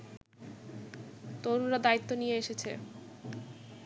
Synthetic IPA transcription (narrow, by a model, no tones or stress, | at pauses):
t̪oɾunɾad̪ait̪ːonijeeʃet͡ɕʰḛ